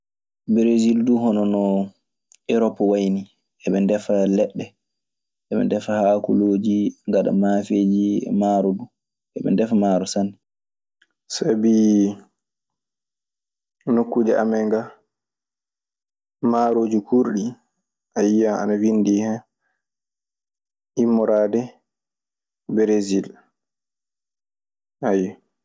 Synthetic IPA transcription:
bɾezilduɦɔnɔnɔ | ɛɾɔpːawajni | ʔɛɓɛndɛfalɛɗːɛ | ʔɛɓɛ̰ndɛfahaːkṵloːd͡ʒiŋɡaɗa̰mafeːd͡ʒḭmaːɾɔdu | ʔɛɓɛ̰ndɛfamaɾɔsanːi | sabi | nokːud͡ʒɛʔamɛŋɡa | maɾoːd͡ʒukʰuɾɗi | ʔajijaa̰nawindiːhɛ | imːɔɾaːdɛ | bɾezil | ʔajɛ

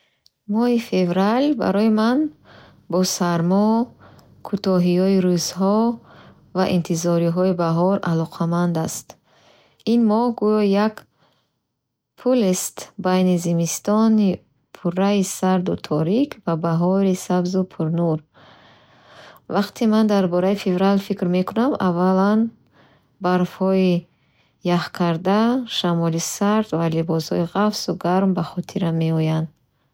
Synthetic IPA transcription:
mɔhife̞vɾalba̰ɾɔiman | bɔsaɾmɔ | kʰut̪ɔɦijɔiɾuzhɔ | va̰ʔint̪ʰizɔɾiɦɔibaɦɔɾa̰lɔqʰamand̪ast̪ | inmɔhɡujɔjak | pʰulest̪bajnizimist̪ɔni | pʰuɾːaisaɾd̪ut̪ʰɔɾikʰvabaɦɔɾisabzupʰuɾnuɾ | vaqt̪ʰimand̪aɾbɔɾaifevɾalfikɾme̞kʰunama̰vːalan | baɾfhɔi | jaχkʰaɾd̪aʃamɔlisaɾd̪valibɔshɔ̰iʁafsuɡaɾmbaχɔt̪ʰiɾamːe̞ɔjand̪

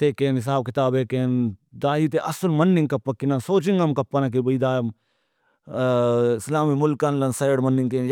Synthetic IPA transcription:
t̪eːkeːnɦɪs̬aːb̚kɪt̪aːbeːkeːnd̪aːɦit̪eʔɐsɐlmɐnːiŋkɐpːɐkːinɐnsoːt͡ʃiŋɡɐmkɐpːɐnɐk̬ibɐiːd̪aːɐm | ɪslaːmimʊlkɐnlɐnsɐjɽmɐnːiŋkeːnj

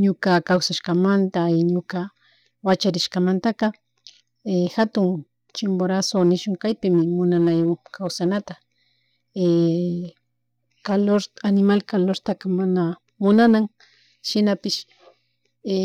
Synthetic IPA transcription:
ɲʊkakawsaʃkamant̪aɪɲʊka | wat͡ʃaɾɪʃkamant̪akɑ | exat̪ʊŋ | t͡ʃɪmboɾasonɪʃʊŋkajpɪmɪmʊnanajʊŋkʰawsanat̪a | e | kaloɾanɪmalkaloɾt̪akamana | mʊnanaŋ | ʃɪnapɪʃ | e

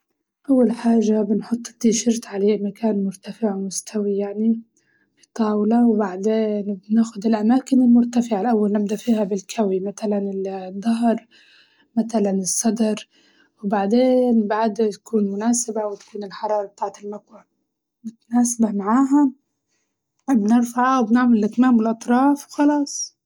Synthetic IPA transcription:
ʔawːalħaːʒːabɪnħʊt̪ˤːt̪ːiʃɪɾt̪ʕaleːmakaːnmʊɾt̪afɪʕmʊst̪ʰawijaʕni | fi̥t̪ˤːɑːwlɑwbaʕd̪eːnbnaːxʊd̪ɪlʔamaːkɪnɪlmʊɾt̪afɪʕalʔawːalnab̚d̪afiːhabɪlkʰawimat̪alanɪd̪ːɑɦɾˤ | mat̪alanɪsˤːɑd̪ɑɾˤ | wɪbaʕd̪eːnbaʕd̪t̪ḁkuːnmʊnaːsɪbawɪt̪ḁkuːnɪlħɑɾˤɑːɾˤɑb̚t̪aːʕt̪ɪlmakwa | mʊt̪anaːsabamaʕaːɦa | bnɪɾfaʕawbnɪʕmɪlʔɪt̪maːmɪlʔɑt̪ˤɾˤɑːfwxɑlɑːsˤ

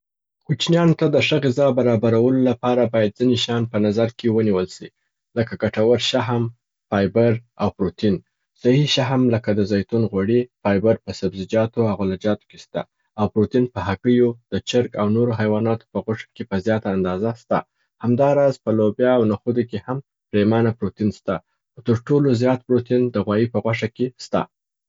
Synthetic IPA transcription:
kut͡ʃnjɑnot̪ad̪əʂəɣɪzɑbaɾɑbaɾawəlolapɑɾabɑjad̪̚zineʃɑnpənazaɾkewəniwəlʃi | ləkaɡaʈawəɾʃaɦam | pɑjbaɾawpɾot̪in | sahiʃaɦmləkad̪əzajt̪unɣaɽipɑjbaɾpəsabzɪd͡ʒɑt̪oaɣolad͡ʒɑt̪o̥kest̪a̰ | awpɾot̪inpəɦakəjod̪̥ət͡ʃəɾkawnoɾoɦajwɑnɑt̪o̥pəɣwaʂḁkepəzjɑt̪aːnd̪ɑzast̪a̰ | hamd̪ɑɾɑzpəlobjɑːwnaxud̪ekeham | pɾemanapɾot̪inst̪a | t̪əɾʈolozjɑt̪̚pɾot̪ind̪əɣwɑjipəɣwaʂakest̪a̰

